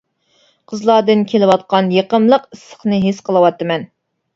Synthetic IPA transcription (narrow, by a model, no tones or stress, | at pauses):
qʰəzlˠɑd̪ɨnkʲʰelɪwɑt̪̚qɑnjeqəmlˠəqisːə̥χnɨɦesqʰəlˠɨwɑt̪ːɨmɛn